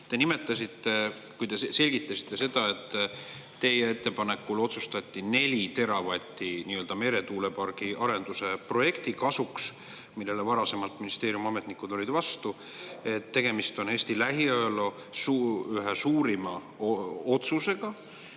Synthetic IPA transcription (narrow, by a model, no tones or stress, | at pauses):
t̪e̞nime̞t̪ːˑɑsʲit̪ːe̞ | kujd̪e̞se̞lʲɡ̥it̪ˑːɑsi̥t̪ːˑe̞se̞d̪̥ɑe̞t̪ː | e̞jee̞t̪ːe̞pɑne̞kːulo̞t̪sust̪ɑt̪ʲːine̞lʲit̪e̞ɾɑvɑt̪ʲːiniːøld̪ɑme̞ɾe̞t̪uːle̞pɑrɡ̥iɑɾe̞nd̪̥use̞pro̞je̞kt̪ikɑsuks | milːe̞levɑɾɑse̞mɑlt̪minist̪e̞ːɾjumɑme̞t̪ˑnikːˑud̪̥o̞lʲid̪vɑst̪u | e̞t̪ːe̞ɡ̥e̞mist̪o̞ne̞ːsʲt̪ilæɦiølo̞ | suyɦesuːɾimɑ | oo̞t̪suse̞ɡ̥ɑ